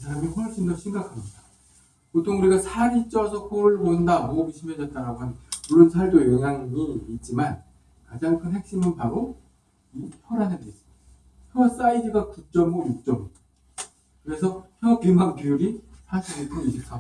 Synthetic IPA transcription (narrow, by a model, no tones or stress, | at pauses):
ɯs̬ʰaɾamiɸʌɭɕ͈indʌɕʰimɡakʰamɲida | kotʰoŋuɾiɡasʰaɾit͡ɕ͈ʌsʰʌkʰoɭbondamoɡiɕʰimjʌd͡ʑʌt̚t͈aɾaɡoɦannmuɭːonsʰaɭdojʌŋjaŋiːt̚t͡ɕ͈iman | kad͡ʑaŋkʰɯnhe̞k̚ɕ͈imɯnpaɾo | içʰʌɾanɯndes͈ɯ | çjʌs͈aidɯɡakuk̚t͡ɕ͈ʌmːʌjuk̚t͡ɕ͈ʌm | kɯɾe̞sʰʌçjʌkuŋɡaŋkijuɾisʰaɕʰinekʰoiɕʰis͈ʰa